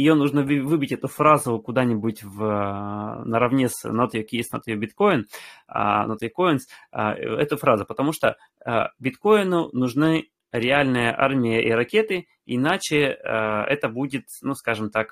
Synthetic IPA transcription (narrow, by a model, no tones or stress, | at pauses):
ɪjonuʐnəvɨbʲɪtʲɛt̪ʊfɾazʊkʊd̪anʲɪbʊtʲv | nəɾɐvnʲesnot̪ʲokʲisno̰t̪jobʲɪt̪ko̞ɪn̰ | not̪ʲɪko̞ɪns | ɛt̪ʊfɾazʊpət̪ɐmuʂt̪o | əbʲɪt̪ko̞ɪnʊnʊʐnɨ | ɾʲɪalʲnɨjəʔa̰rmʲɪjəʔiɾɐkʲe̞t̪ɨ | ɪnat͡ɕɪ | ɛ̰t̪əbudʲɪt̪nuskaʐɨmt̪ak